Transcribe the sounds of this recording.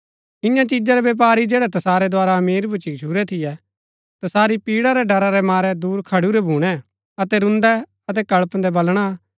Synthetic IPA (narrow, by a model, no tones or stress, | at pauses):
ɪjãt͡ʃid͡ʒaɾɛʋeːp̬aːɾid͡ʒeːɽɛt̪ɐsaːɾɛd̪oaːɾaɐmiːɾbʊt͡ʃit͡ʃʰuːɾɛt̪ʰɪjɛ | t̪ɐsaːɾipiːɽaɾɛɖɐɾaɾɛmaːɾɛd̪uːɾkʰɐɽuɾɛbʱuːɽ̃ɛ | ɐt̪ɛɾʊ̃nd̪ɛ | ɐt̪ɛkɐɭpnd̪ɛbɐlɽ̃a